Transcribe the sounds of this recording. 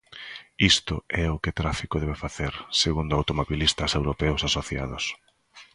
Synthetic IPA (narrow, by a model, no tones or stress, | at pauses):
ist̪ʊɛʊkɪt̪ɾafikoðɛβefaθeɾseɣund̪ʊawt̪omoβilist̪ɐsewɾopɛʊsasoθjaðʊ̰s